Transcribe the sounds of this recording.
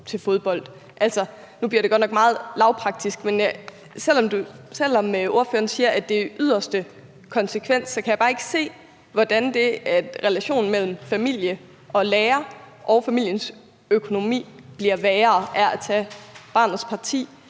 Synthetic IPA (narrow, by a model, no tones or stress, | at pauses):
t͡sʰe̝lfo̝ð̞ˠb̥ɒ̽l̰d̥ | ʔælsɒ | nub̥liɐɾe̝ɡɒ̽d̥nɒɡ̥mɑ̈ːð̞̩ˠlɑ̈ʊpʰʁɑ̈ɡ̥̚d̥isɡ̥menæ | sel̰ɒ̽md̥usel̰ɒ̽məʔo̝ɐføːɐnsiːɐʔæd̥e̝ʔyð̰ˠɐsd̥ə | kʰɒ̽nsəkʰʋen̰sːɒ̽kʰæjɑ̈bɑ̈ːe̝ɡ̥ə̥se̝̰ː | ʋɒd̥ænd̥e̝æ̥ʁɛlæɕo̝̰ːn̩mel̰m̩fæmil̰jə | ʔɒ̽leːɐ | ʔɒ̽ʊfæmil̰jəns | økʰo̝no̝mḭːb̥liɐʋɛːɐːʔæɐæt͡sʰɛb̥ɑ̈ːnð̩ˠspʰɑ̈t͡sʰḭː